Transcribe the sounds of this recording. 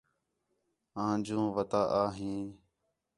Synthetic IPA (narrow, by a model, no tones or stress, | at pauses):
ãːd͡ʒũːʋət̪aːʔaːɦĩː